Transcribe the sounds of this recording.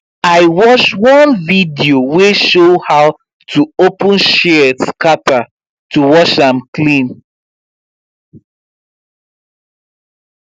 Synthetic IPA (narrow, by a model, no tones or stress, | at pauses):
aɪwɔʃwɔ̃nvidioweʃohaʊ | tʰuopũnʃɛtkata | tuwɔʃãmklĩn